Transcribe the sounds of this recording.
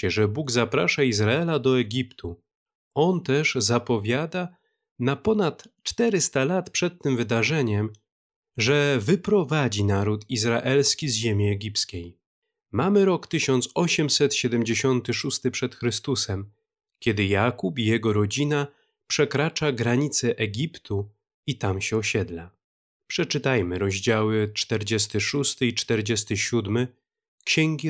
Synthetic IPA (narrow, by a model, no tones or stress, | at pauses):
ɛʐɛbuɡzapɾaʂaizɾaɛlad̪ɔɛɡʲipt̪ʰu | ɔnt̪ɛʐzapɔvʲjad̪a | napɔnat̪t͡ʂt̪ɛɾɘst̪alat̪pʂɛt̪ːɘmvɘd̪aʐɛɲɛm | ʐɛvɘpɾɔvad͡ʑinaɾut̪izɾaʔɛlskʲizʑemʲiɛɡʲipskʲej | mamɘɾɔkt̪ɘɕɔnt̪sɔɕɛmsɛt̪ɕɛd̪ɛmd͡ʑeɕɔnt̪ɘʂust̪ɘpʂɛt̪xɾɘst̪usɛm | kʲɛd̪ɘjakupijɛɡɔɾɔd͡ʑina | pʂɛkɾat͡ʂaɡɾaɲit̪sɛʔɛɡʲipt̪ʰu | it̪amɕɛɔɕɛd̪la | pʂɛt͡ʂɘt̪ajmɘɾɔʑd͡ʑawɘt͡ʂt̪ɛɾd͡ʑɛst̪ɘʂust̪ɘit͡ʂt̪ɛɾd͡ʑɛs̬t̪ɘɕud̪mɘ | kɕɛŋɡʲi